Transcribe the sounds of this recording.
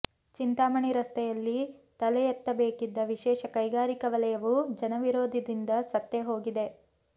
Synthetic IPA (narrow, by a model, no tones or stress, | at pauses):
t͡ʃint̪aːmɐɳiɾɐst̪ʰɛjɐlːit̪ɐlɛjɐt̪ːɐbeːkid̪ːɐʋiʃɛːʃɐkɐjɡaːɾikɐʋɐlɐjɐʋud͡ʒɐnɐʋiɾoːd̪ʱid̪ind̪ɐsɐt̪ːeɦo̞ːɡid̪e̞